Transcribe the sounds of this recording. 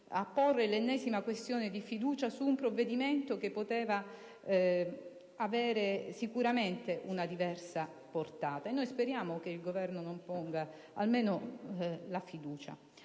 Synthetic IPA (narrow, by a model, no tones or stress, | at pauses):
apːorːelenːɛːzimakwest̪joːned̪ifid̪uːt͡ʃasuːmpɾovːed̪iment̪okepːot̪ɛːva | avɛːɾesikuɾament̪eʔunad̪ivɛrsa | port̪aːt̪aenːojspeɾjaːmokeilɡovɛrnonompoŋɡa | a̰lmeːno | lafid̪uːt͡ʃa̰